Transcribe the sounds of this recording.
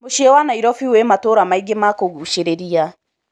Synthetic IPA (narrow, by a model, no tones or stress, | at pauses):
moʃiɛwanaiɾɔfiwematoːɾamaiɡemakoɣuʃeɾeɾia